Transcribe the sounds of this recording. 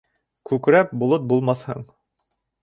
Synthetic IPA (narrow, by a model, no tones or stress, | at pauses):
kʉkɾæp̚bulˠɤt̪̚bulˠmɑθhɤ̰ɴ